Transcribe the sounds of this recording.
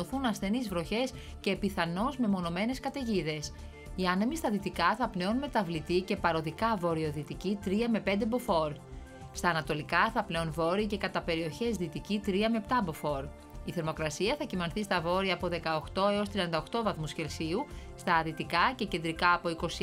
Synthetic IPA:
oθunɐsθe̞nizvɾo̞çe̞s | ce̞piθɐno̞zme̞mo̞no̞me̞ne̞skɐt̪e̞ʝiðe̞s | iɐnemist̪ɐðit̪ikɐθɐple̞onme̞t̪ɐvlit̪ice̞pɐɾo̞ðikɐvo̞ɾioðit̪icit̪ɾiɐme̞pe̞nd̪e̞bo̞fo̞ɾ | st̪ɐːnɐt̪o̞likɐθɐple̞onvo̞ɾice̞kɐt̪ɐpe̞ɾio̞çe̞zðit̪icit̪ɾiɐme̞pt̪ɐbo̞fo̞ɾ | iθe̞ɾmo̞kɾɐsiɐθɐcimɐnθist̪ɐvo̞ɾiɐːpo̞ðe̞kɐoxt̪o̞e̞o̞st̪ɾiɐnd̪ɐoxt̪o̞vɐθmusce̞lsiust̪ɐðit̪ikɐce̞ce̞nd̪ɾikɐːpo̞iko̞s

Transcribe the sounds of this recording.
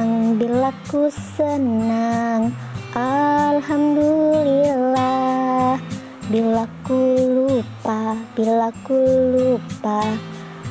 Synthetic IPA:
ŋbilakusənaŋʔalhamdulilah | bilakulupabilakulupa

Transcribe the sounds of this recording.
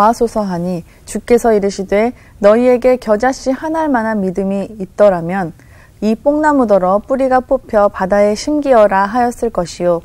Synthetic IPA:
asʰosʰʌɦaɲi | t͡ɕuk͈e̞sʰʌiɾɯɕʰidwe̞ | nʌie̞ɡe̞kjʌd͡ʑaɕ͈ihanaɭmanɦanmidɯmiːt̚t͈ʌɾamjʌn | ip͈oŋnamudʌɾʌp͈uɾiɡap͈opʰjʌpadae̞ɕʰiŋɡiʌɾaɦajʌs͈ɯɭk͈ʌɕʰijo

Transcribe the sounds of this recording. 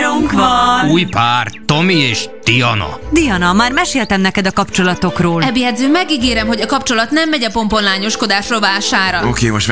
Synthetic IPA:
uŋk̪uːjpaːrt̪omieːʃd̪̥iɒ̰nɒ̰d̪ijɒnɒmaːrmɛʃeːlt̪ɛmnɛkɛd̪ɒkɒpt͡ʃo̞lɒt̪o̞kroːlɛbjɛd̪zøːmːɛɡiɡeːɾɛmɦo̞ɟɒkɒpt͡ʃo̞lɒt̪nɛmːɛɟɒpo̞mpo̞nlaːɲo̞ʃko̞d̪aːʃroːlvaːʃaːɾɒokeːmoʃt̪

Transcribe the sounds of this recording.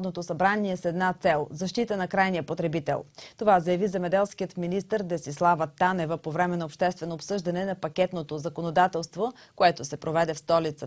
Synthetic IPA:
d̪not̪osɐbɾaniɛsɛd̪nat̪sɛlˠzɐʃt̪it̪ənɐkɾajnijəpot̪ɾɛbit̪ɛ̰lˠt̪ovazəjɐvizɛmɛd̪ɛlˠskijət̪minist̪əɾd̪ɛsislˠavət̪anɛvəpovɾɛmɛnɐopʃt̪ɛst̪vɛnoːpsɤʒd̪ɐnɛnɐpɐkʲɛt̪not̪ozɐkonod̪at̪ɛlˠst̪vokoɛt̪osɛpɾovɛd̪ɛfst̪ɔlit̪sə

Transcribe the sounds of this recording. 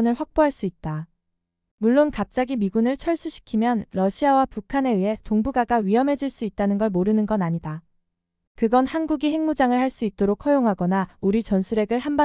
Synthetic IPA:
nɯɭɸwak̚p͈oɦaɭs͈uit̚t͈a | muɭːonkap̚t͡ɕ͈aɡimiɡunɯɭt͡ɕʰʌɭs͈uɕʰi̥kʰimjʌnɾʌɕʰiawapukʰane̞ɯɦe̞toŋbuɡaɡawɥiɦʌmɦe̞d͡ʑiɭs͈uit̚t͈anɯnɡʌɭmoɾɯnɯnɡʌnaɲida | kɯɡʌnhanɡuɡihe̞ŋmud͡ʑaŋɯɭhaɭs͈uit̚t͈oɾokʰʌjoŋɦaɡʌnauɾit͡ɕʌnsʰuɾe̞ɡɯɭhamba

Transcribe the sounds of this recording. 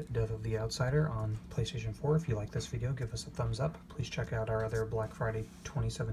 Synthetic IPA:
d̥ɛθʌvðiaʊtsaɪɾə˞ʔə̃npʰl̥eɪstʰeɪʃɨ̃n̩fɔɹɨfjɨlaɪk̚ðɪsv̥ɪɾioʊɡɪvʌsəθʌ̃mzʌppʰl̥iz̥t͡ʃʰɛkaʊɾaʊə˞ʌðə˞blækfɹaɪɾeɪtʰw̥ɛ̃ɾ̃isɛṽn

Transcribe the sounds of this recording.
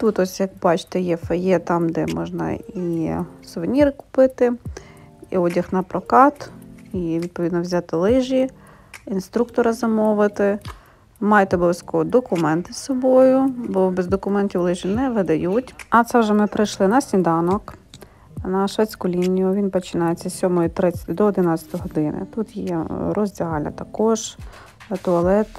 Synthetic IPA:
t̪ut̪ɔsʲjɐkbɑt͡ʃɪ̥t̪ɛjɛfejɛt̪ɑmd̪ɛ̰mɔʒnɐ̰isʊʋenʲiɾɪkʊ̥pɪt̪ɪ | iɔdʲɐxnɐpɾɔkɑt̪iʋʲid̪̚pɔid̪nɔʋzʲat̪ɪlˠɪʒʲi | inst̪ɾukt̪ɔɾɐzɐmɔʋɪt̪ɪ | mɑjɛt̪ɛɔbɔʋʲɐsʲkɔʋɔd̪ɔkʊmɛnt̪ɪsɔbɔjʊbɔbɛzd̪ɔkʊmɛntʲiwlˠɪʒʲinɛʋɪd̪ɐjutʲɐt̪sɛwʒɛmɪpɾɪjʃlˠɪnɐsʲnʲid̪ɑnɔk | nɐʃʋɛt͡sʲkʊlʲinʲːijʊʋʲinpɔt͡ʃɪnɑjet͡sʲːɐsʲɔmɔjit̪ɾɪt͡sʲɐ̥t̪ɔd̪ɔɔd̪ɪnɑt͡sʲɐ̥t̪ɔjɔɦɔd̪ɪnɪ̰t̪ut̪jɛrɔzʲdʲiɦɑlʲnɐ̰t̪ɐkɔʒ | t̪ʊɐlˠɛt̪

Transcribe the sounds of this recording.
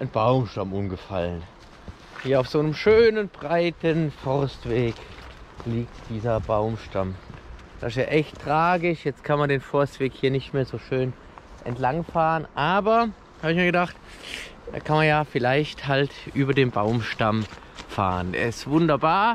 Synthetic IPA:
ʔanbaʊmʃtamʊmɡəfa̰lən | hiːɐaʊfz̥oːnəmʃøːnənbʁaɪtənfɔʁstv̥eːkliːk̚td̥iːzɐbaʊmʃtam | d̥asɪsjaːʔɛçtʁ̥aːɡɪʃjɛt͡stkʰanmandeːnfɔɐstv̥eːkhiːɐnɪçtmeːɐzoːʃøːn | ʔɛ̰ntlaŋfaːʁənʔaːbɐ | haːbɪçmiːɐɡədaχt | da̰ːkʰanmanjaːfɪlaɪçthaltʔyːbɐdeːnbaʊmʃtamfa̰ːʁəndɛ̰ːɐɪstv̥ʊndɐbaːɐ

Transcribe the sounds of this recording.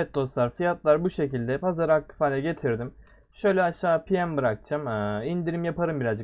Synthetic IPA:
ɛt̪̚d̪o̞slˠaɾfijat̪lˠaɾbuʃe̞cilʲd̪ɛpʰazaɾɯak̚t̪ʰi̥faːlʲɛɟe̞t̪ʰiɾd̪im | ʃø̞jlʲɛaʃaːpʰijæmbɯɾak̚t͡ʃʰamɯind̪iɾimjapʰaɾɯmbiɾazd͡ʒɯ

